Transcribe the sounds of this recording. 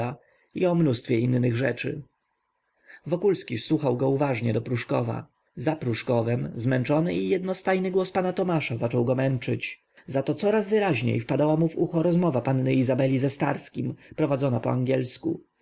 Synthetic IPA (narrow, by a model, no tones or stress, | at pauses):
a | iɔmnust̪fʲjɛinːɘɣʐɛt͡ʂɘ̰ | vɔkulskʲiswuxawɡɔuvaʐɲɛd̪ɔpɾuʂkɔva̰ | zapɾuʂkɔvɛmzmɛnt͡ʂɔnɘijɛd̪nɔst̪ajnɘɡwɔspanat̪ɔmaʂazat͡ʂɔwɡɔmɛnt͡ʂɘt͡ɕ | zat̪ɔt̪sɔɾazvɘɾaʑɲḛjfpad̪awamuvuxɔɾɔzmɔvapanːɘizabɛlʲizɛst̪a̰ɾskʲimpɾɔvad̪zɔnapɔaŋɡʲjɛlskṵ